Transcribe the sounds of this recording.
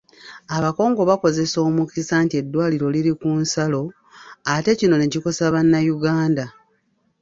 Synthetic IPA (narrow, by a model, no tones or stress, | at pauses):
aβako̞ːŋɡo̞βako̞ze̞so̞ːmukisaːntie̞dːwaːliɾo̞liɾikunsalo̞ | ate̞cino̞neciko̞saβanːajuɡaːnda